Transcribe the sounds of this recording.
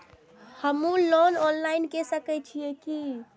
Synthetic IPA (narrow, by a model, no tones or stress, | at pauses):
həmũlononlainkesəkɛt͡ʃʰijeki